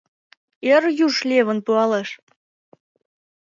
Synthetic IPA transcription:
erjuʃlʲeβə̆npuɑleʃ

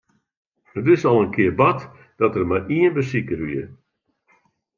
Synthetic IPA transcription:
hətɪsɔlˠənkʰɪərbɔt | d̥ɔtərmaiənbəsikərʋiə

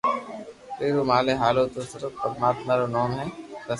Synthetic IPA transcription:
pɾeːɾomaːleɦaːlot̪osɪɾəpəd̪maːt̪naːɾonɔːmɦɛːɾɐ

